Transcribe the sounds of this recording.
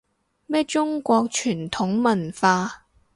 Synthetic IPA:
mɛː˥t͡ʃʊ˥ŋkʷɔː˧k̚t͡ʃʰyː˨˩nt̪ʰʊ˨˥ŋmɐ˨˩nfaː˧

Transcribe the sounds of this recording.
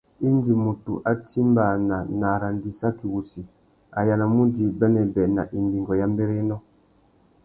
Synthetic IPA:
i˦ndi˨mu˨tṵ˨ʔa˦ti˦mba˨na˨na˨ɾa˨ndi˨sa˦ki˨wu˨si˨ | a̰˨ja˨na˨mu˦di˨bɛ˦nɛ˨bɛ˨na̰˨ʔi˨ndi˨ŋɡɔ˨ja˦mbɛ˦ɾe˦nɔ˦

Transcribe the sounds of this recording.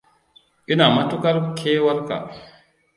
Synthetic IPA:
ʔi˦na˨ma˦tu˦ka˦ɾkʰeː˦wa˦ɾka̰˨

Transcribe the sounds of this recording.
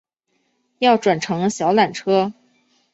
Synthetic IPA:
jɑ˥˩ʊʈ͡ʂwa˨˩nʈ͡ʂʰɤ˧˥ŋə˧ɕjɑ˧˥ʊla˨˩nʈ͡ʂʰɤ˥

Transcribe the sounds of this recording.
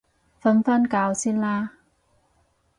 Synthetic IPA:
fə˨˦nfa˧˥˨nkaː˨˩˦wsi˧˥nlaː˧

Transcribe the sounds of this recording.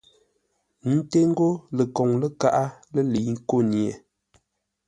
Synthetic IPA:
n̩˦te˦ŋ̩˦ɡo˦lə˨kɔ˨ŋlə˦ka˦ʔa˦lə˦li˨ŋ̩˦ko˦˨nje˨

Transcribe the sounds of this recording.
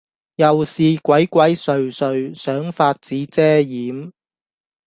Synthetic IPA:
jɐ˨wsiː˨kʷɐ˨˥jkʷɐ˨˥jsɵ˨ɥsɵ˨ɥsœː˨˥ŋfaː˧t̚t͡siː˨˥t͡sɛː˥jiː˨˥m

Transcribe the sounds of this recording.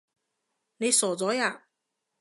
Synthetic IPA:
ne˨˧jsɔː˨˩t͡sɔː˨˥jaː˨˩

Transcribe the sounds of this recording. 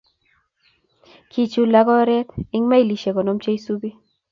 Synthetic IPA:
kʰi˨t͡ʃu˨la˦ɡɔ˦ɾɛ˦t̪ɪ˦ŋma˦i˦˨li˨ʃe˨ko˨no˦mt͡ʃe˦i˦su˦bi˦

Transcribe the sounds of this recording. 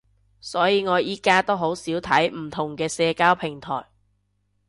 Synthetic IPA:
sɔː˨˥jiː˨˧ŋɔː˨˧jiː˥kaː˥t̪o˥wɦo˨˥wsiː˨˥wt̪ʰɐ˨˥jm̩˨˩t̪ʰʊ˨˩ŋkɛː˧sɛː˧kaː˥wpʰɪ˨˩ŋt̪ʰɔ̰ː˨˩j

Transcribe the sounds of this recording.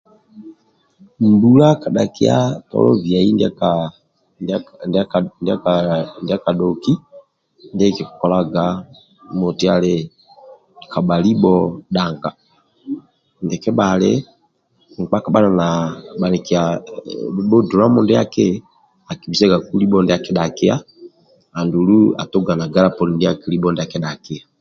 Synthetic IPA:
mbu˨la˦ka˨ɗa˨ki˦a̰˦tɔ̰˨lɔ̰˦vja˨i˦nd | nda˦ndɛ˦a˦ka˨ɗɔ˨ki˦ | ndɛ˦i˦˨kɛ˨ku˨kɔ˨la˦ɡa˨˦ | mɔ˨ti˨˦a˨le˨ | kʰa˨ɓa˨li˦ɓɔ˦ɗa˨ŋɡa˨ | ndɛ˨kɛ˦ɓa˨le˦ | ŋ̩˨k͡pa˦ka˨ɓa˦na˨na˨ɓa˨ni˨ki˨a˨˦ | ɓɔ˦du˨ɾa˦mɔ˦ndɛ˦a˦ke˦ | a˨ki˨bi˨sɛ˦ɡa˨ku˦li˦ɓɔ˦ndɛ˦a˨kɛ˨ɗa˨kɪ˦a˦ | a˨ndu˨lu˦a̰˨to˦ɡa˨na˨ɡa˦ɾa˦pɔ˨ni˨ndɛ˦a˦ki˨li˦ɓɔ˦ndɛ˦a˨kɛ˨˦ɗa˨ke˦a˨

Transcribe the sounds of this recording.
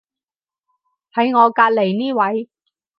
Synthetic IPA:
hɐ˨˧˥jŋɔː˨˧kaː˧t̚le˨˩jniː˥wɐ˨˧˥j

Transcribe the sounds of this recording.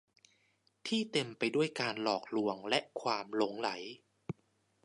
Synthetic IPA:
t̪ʰiː˥˩t̪e˧mpa˧jdu˥˩əjkaː˧nlɔː˨˩k̚lu˧əŋlɛ˦˥ʔkʰwaː˧mlo˨˩˦ŋla˩˦j

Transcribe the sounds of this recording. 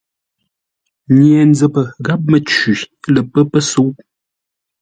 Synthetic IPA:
ɲjɛ˨n˦d͡zə˨pə˨ɡa˦p̚mə˨t͡ʃʉ˨˦lə˨pə˦pə˦su˨˦ʔ

